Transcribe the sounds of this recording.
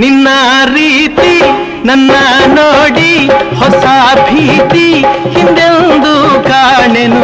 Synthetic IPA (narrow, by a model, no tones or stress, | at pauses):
ninːɐɾiːt̪i | nɐnːɐnoːɽihɔsɐbʱiːt̪i | hind̪end̪ukaːɳenu